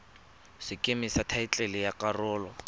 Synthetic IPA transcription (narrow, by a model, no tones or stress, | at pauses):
sɪkʼemɪsatʰaɪt͡ɬʼɛlɪjakʼarʊːlɔ